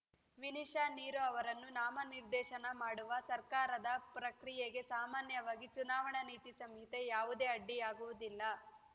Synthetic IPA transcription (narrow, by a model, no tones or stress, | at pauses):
ʋiniʃaːniːɾuɐʋɐɾɐnːunaːmɐniɾd̪ɛːʃɐnɐmaːɽuʋɐsɐɾkaːɾɐd̪ɐpɾɐkɾijeɡe̞saːmaːnjɐʋaːɡit͡ʃunaːʋɐɳɐniːt̪isɐmɦit̪e̞jaːʋud̪e̞ːɐɖːiaːɡuʋud̪ilːɐ